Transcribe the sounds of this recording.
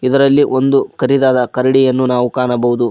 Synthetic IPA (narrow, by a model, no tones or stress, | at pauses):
id̪ɐɾɐlːiʔond̪ukɐɾid̪aːd̪ɐkɐɾɐɽijɐnːunaːʋukaːɳɐbɐɦud̪u